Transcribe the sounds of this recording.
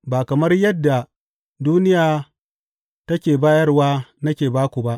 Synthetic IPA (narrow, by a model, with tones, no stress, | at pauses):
baː˨kɐ˨mɐ˦rjɐ˦dːa˨ | duː˦nɪ˦jaː˨ | tɐ˦kʲeː˨baː˦jɐ˦rwaː˦nɐ˦kʲeː˨baː˦kʷu˨ba˦ʔ